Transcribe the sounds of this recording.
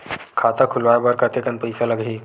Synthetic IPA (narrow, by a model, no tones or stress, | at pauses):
kʰaːt̪akʰulʋaːjbəɾkat̪ekənpəjsaləɡɦiː